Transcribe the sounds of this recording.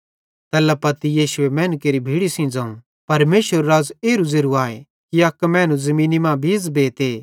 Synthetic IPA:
t̪ɛːlapɐt̪ijiːʃʊemɛːnkeːɾibʱiːɽisĩd͡zaːũ | pɐɾmeːʃʋəɾːaːzeːɾuzeɾuaːe | kiɐkmɛ̃ːnũzɐmĩːnimãːbʱiːzbeːt̪eː

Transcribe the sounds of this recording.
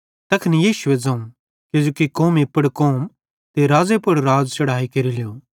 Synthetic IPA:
t̪ɐkʰnijiːʃʊed͡zɐ̃ũ | kɪd͡ʒoːkikoːmipɐɽkoːm | t̪eɾaːd͡zepʊɽɾaːd͡zt͡ʃɐɽaːikɐɾilejoː

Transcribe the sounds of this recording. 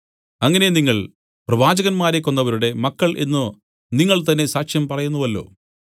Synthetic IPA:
ɐŋːɐneniŋːɐɭ | prɐʋaːd͡ʑɐɣɐnmaːɾekːo̞nːɐʋɐɾuɽe̞mɐkːɐɭʔe̞̰nːɨ | niŋːɐɭt̪ɐnːesaːkʂjɐmpɐrɐjunːuʋɐlːo̞̰ː

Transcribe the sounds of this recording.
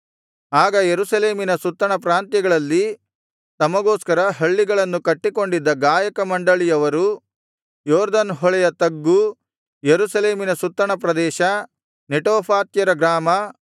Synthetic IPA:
aːɡɐjeɾusɐleːminɐsut̪ːɾɐɳɐp̬ɾaːnt̪jɐɡɐɭɐlːi | t̪ɐmɐɡoːskɐɾɐɦɐɭːiɡɐɭɐnːukɐʈːiko̞ɳɖid̪ːɐɡaːjɐkɐmɐɳɖɐɭijɐʋɐɾu | jɔːɾd̪ɐnɦɔɭɛjɐt̪ɐɡːu | jeɾusɐleːminɐsut̪ːɐɳɐp̬ɾɐd̪ɛːʃɐ | neʈoːpʰaːt̪jɐɾɐɡɾaːmɐ

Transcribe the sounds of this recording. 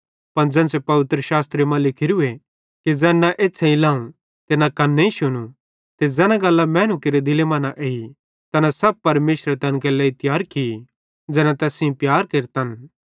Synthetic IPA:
pɐnd͡ʒɛ̃nsepɐʋɪt̪ɾəʃaːst̪ɾemãlɪkʰɪɾue | kid͡ʒɛːnaʔeːsʰeĩlãːũ | t̪enãkɐnːeĩʃʊñu | t̪ed͡zɛːnãɡɐlːamɛ̃ːnukeɾed̪ɪlemaːnaʔei | t̪ɛːnãsɐb̚pɐɾmeːʃɾet̪ɐnk̬elɛɪt̪jaːɾkii | d͡ʒɛːnat̪ɛːsĩĩpjaːɾkeːɾt̪ɐn

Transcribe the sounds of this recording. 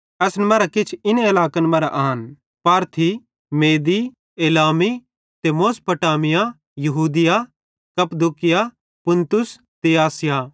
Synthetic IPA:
ɐsnɛmɐːɾakɪt͡ʃʰɪneɪlaːkənmɐːɾa̰ʔaːɦɐn | paːɾt̪ʰi | meːd̪i | eːlaːmi | t̪emoːspɐʈaːmɪja | jɐɦuːd̪ɪja | kɐpd̪ukɪja | pʊ̃nt̪ʊs | t̪eaːsɪja

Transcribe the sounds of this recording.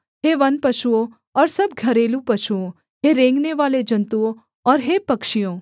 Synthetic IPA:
ɦeʋɐnpəʃuo | ɔːɾsəb̚ɡʱəɾelũpəʃuõ | ɦeɾẽːŋɡneʋaːled͡ʒənt̪uo | ɔːɾɦepəkʃijõ

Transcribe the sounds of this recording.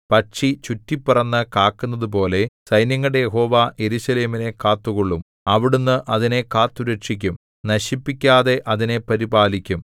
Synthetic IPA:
pɐʈʂit͡ɕutːipːurɐnːɨkaːkːunːɐðup̬o̞ːle̞sɐjnjɐŋːɐɽe̞jeɦo̞ːʋaːʔje̞ɾuɕɐleːmine̞kaːt̪ːukoɭːum | ɐʋiɽunːɨʔɐðine̞kaːt̪ːuɾeʈʂikʲːum | nɐɕipːikʲːaːðe̞ʔɐðine̞pɐɾibaːlikʲːum

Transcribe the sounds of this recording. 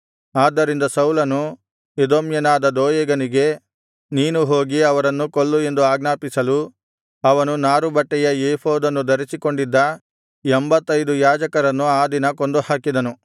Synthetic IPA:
aːd̪ːɐɾind̪ɐsɐwlɐnu | ed̪oːmjɐnaːd̪ɐd̪oːjɐɡɐniɡe̞ | niːnuɦo̞ːɡiɐʋɐɾɐnːukoɭːue̞nd̪uaːɡnaːpisɐlu | ɐʋɐnunaːɾubɐʈːɛjɐeːhoːd̪ɐnːud̪ɐɾisiko̞ɳɖid̪ːɐ | embɐt̪ːɐjd̪ujaːd͡ʒɐkɐɾɐnːuaːd̪inɐko̞nd̪uhaːkid̪ɐnu

